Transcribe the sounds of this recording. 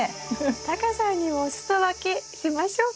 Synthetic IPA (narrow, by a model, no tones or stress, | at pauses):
t̪akasãɲːimoːsɨ̥t̪oβakeɕimaɕo̞ː